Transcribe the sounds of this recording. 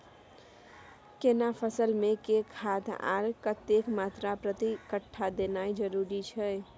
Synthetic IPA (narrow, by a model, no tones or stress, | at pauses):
kenapʰəsəlmekekʰat̪ʰa̰ɾkət̪ekmat̪ɾapɾət̪ikəʈʰːad̪enajd͡ʒəɾuɾit͡ʃʰɛ